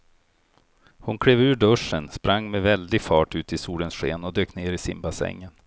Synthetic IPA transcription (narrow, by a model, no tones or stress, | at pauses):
hʊnkʰɽeːvʉ̟ːɖɵʂənspɾʔaŋːmɛvɛld̪ɪɡfɑːʈʉ̟ːt̪ɪsuːlənsɧeːnɔd̪øːkneːɾɪsɪmbasɛ̰ŋːən